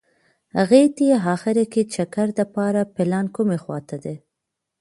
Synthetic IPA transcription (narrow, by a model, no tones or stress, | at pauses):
ha̰ɣet̪ajeɦɑxɪɾaket͡ʃakaɾd̪apɑɾapɪlɑnkumexwɑ̰t̪ad̪e